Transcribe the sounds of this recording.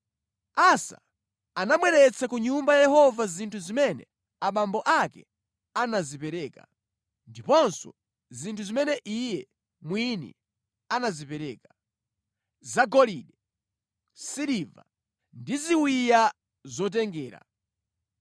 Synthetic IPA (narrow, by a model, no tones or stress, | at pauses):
asa̰ | anamwɛɾɛt͡sʰakuɲumbajajɛhɔvazintʰuzimɛnɛ̰ | aɓambɔʔakɛ̰ | anazipɛɾɛːka̰ | ndipɔnsɔ̰ | zintʰuzimɛnɛʔijɛ | mwinɛ̰ | anazipɛɾɛːkḁ | zaɡɔliɗɛ | siɾiva̰ | ndiziwija | zɔt̬ɛŋɡɛːɾa̰